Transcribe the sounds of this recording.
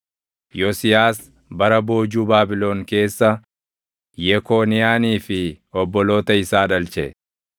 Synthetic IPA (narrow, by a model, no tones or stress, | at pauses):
jɔsɪjaːs | bɐɾɐbo̞ːd͡ʒuːbaːbɪlo̞ːŋke̞ːsːɐ | jɛkoːnɪjaːniːfɪ | ɔbːɔlo̞ːt̪ɐɪsaːᶑɐlt͡ʃɛ̰